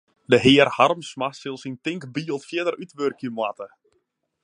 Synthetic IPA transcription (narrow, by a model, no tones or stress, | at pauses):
dəɦɪːərharmsmasɪlˠsintɪŋkbiːəlˠtfjɪdərytʋørkʰjəmwatə